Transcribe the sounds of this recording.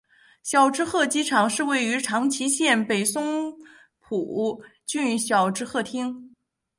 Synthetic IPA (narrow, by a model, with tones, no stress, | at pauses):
ɕjɑ˨˩ʊʈ͡ʂɻ̩˥xɤ˥˩t͡ɕi˥ʈ͡ʂʰɑ˨˩ŋʂɻ̩˥˧we˥˩ɪy˧˥ʈ͡ʂʰɑ˧˥ŋt͡ɕʰi˧˥ɕjɛ˥˩npe˨˩ɪsʊ˥ŋ | pʰu˨˩t͡ɕy˥˧n˧˩ɕjɑ˨˩ʊʈ͡ʂɻ̩˥xɤ˥˩t̪ʰi˥ŋ